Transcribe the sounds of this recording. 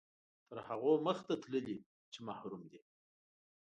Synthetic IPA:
t̪əɾhaɣoməxt̪at̪ləli | t͡ʃemahɾumd̪i

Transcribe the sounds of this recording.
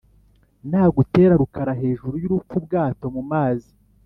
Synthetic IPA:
nhaːɡute̞ːɾaɾukaɾaɦe̞ːʒuɾujuɾup͡fubɡaːto̞mumaːzi

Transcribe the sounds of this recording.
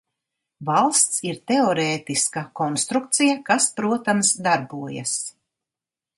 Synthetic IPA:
valˠst̪siɾt̪eɔɾeːt̪iskakɔnst̪ɾuk̚t̪sijakaspɾuɔt̪amsd̪aɾbuɔja̰s

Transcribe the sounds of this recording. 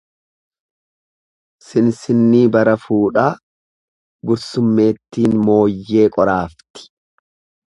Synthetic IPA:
sɪnsɪnːiːbɐɾɐfuːᶑaː | ɡʊɾsʊmːe̞ːt̪ːiːnmo̞ːjːe̞ːkʼɔɾaːft̪ɪ̥

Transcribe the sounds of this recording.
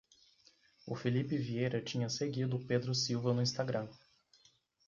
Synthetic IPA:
ʊ̰filipɪviejɾɐt͡ʃĩɲɐseɡid̪ʊped̪ɾʊsiwvɐnʊĩst̪aɡɾɐ̃

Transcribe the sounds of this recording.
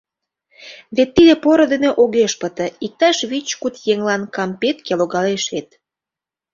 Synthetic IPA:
βet̪ːid̪epoɾə̆d̪eneʔoɣeʃpət̪ə̆ik̚t̪ɑʃβit͡ɕkut̪jeŋlɑnkɑmpet̪keloɣɑleʃet̪

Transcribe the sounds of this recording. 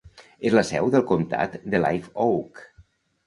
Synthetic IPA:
ezləsɛwðəlˠkomt̪a̰t̪d̪əla̰jfowk

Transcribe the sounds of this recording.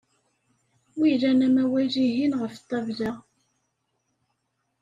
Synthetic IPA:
wiɾænæmæwæliɦinʁəft̪ˤːɑvla

